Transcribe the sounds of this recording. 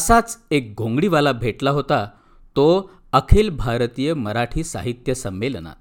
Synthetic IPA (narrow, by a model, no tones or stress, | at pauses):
əsat͡sek̚ɡʱõŋɡɽiʋalabʱeʈlaɦot̪a | t̪o | əkʰelbʱaɾt̪ijəməɾaʈʰiːsa̰ɦit̪jəsəmːelna̰